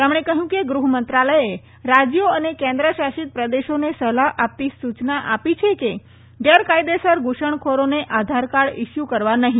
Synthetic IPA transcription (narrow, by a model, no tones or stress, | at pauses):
emɽ̃ekəɦjũkeɡɾuɦmənt̪ɾaləje | ɾad͡ʒjoənekɛ̃nd̪ɾəʃaʃit̪̚pɾəd̪eʃonesəlaɦʔap̚t̪isut͡ʃnaʔapit͡ʃʰeke | ɖeɾkajd̪esəɾɡuʃəɳkʰoɾoneʔad̪ʱaɾkaɽɪʃjukəɾʋanəɦĩ